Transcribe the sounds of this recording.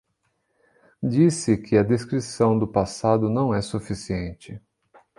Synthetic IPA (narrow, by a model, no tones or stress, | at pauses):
d͡ʒisɪkʰɪɐd̪eskɾisɐ̃w̃d̪ʊpasad̪ʊnɐ̃w̃ɛsufisiẽnt͡ʃɪ